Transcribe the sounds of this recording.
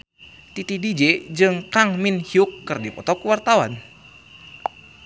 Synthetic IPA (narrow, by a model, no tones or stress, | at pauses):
t̪it̪idid͡ʒed͡ʒɨŋkaŋminhiukːɨrdipɔt̪ɔkuwart̪awa̰n